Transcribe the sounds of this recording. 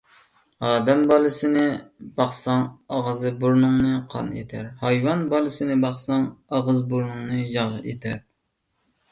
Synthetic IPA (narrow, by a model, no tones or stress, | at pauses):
ɑːd̪ɛmbɑlˠɨsɪnɪb̥ɑχsɑŋɑʁɨzɨbuɾnɨŋnɨqʰɑ̰nḛt̪ʰæɾhɑjwɑnbɑlˠɨsɪnɪbɑχsɑŋɑʁəzbuɾnɨŋnɨjɑʁɨʔḛt̪ʰæɾ